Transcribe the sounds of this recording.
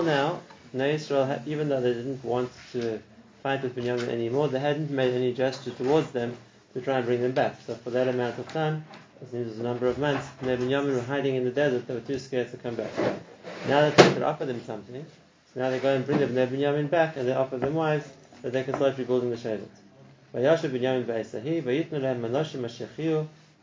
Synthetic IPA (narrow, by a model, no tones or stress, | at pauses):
lˠnaʊ | noɨsɹeɪlˠivɨ̃nðoʊðeɪdɪdⁿn̩ʔwɑ̃ntʰɨ | fãɪ̃nd̪ðɨzbɨ̃njamɨ̃nʔɛ̰nimɔɹðeɪɦædⁿn̩meɪɾɛnid͡ʒɛst͡ʃə˞tʰəwɔɹdzðɨ̃m | tʰɨtʰɹ̥aɪɨ̃nbɹɪ̃ŋðɨ̃mbæksoʊfə˞ðəɾɨmãʊ̃ntʌv̥tʰʌ̃n | ɨzmĩmzəzənʌ̃mbə˞ʌvmʌ̃nθsnebɨ̃njamɨ̃nwə˞ɦaɪɾɪ̃ŋɨ̃nðɨdɛzə˞t̪̚ðeɪwə˞tʰʉskɛɹdstʰɨkʰʌ̃mbæ̰k̚a̰naʊðətʰɛ̃k̚ðəɹʔɔ̰fə˞ðɨ̃msʌ̃mθɪ̃ŋ | soʊnaʊðeɪɡoʊə̃nbɹɪ̃ŋðɨ̃mnðeɪbɨ̃njʌmɪ̃nbækɨ̃nðeɪɔfə˞ðə̃mwaɪvz̥bət̪̚ðeɪkɨ̥slaɪfɹibɔʊlˠdɪ̃ŋðəʃeɪvə̰z | vaɪjɔʃəvbɨ̃njɔmɪ̃nbəeɪsəɦivajɪtⁿnəlɛmanɔʃɪ̃maʃiχiu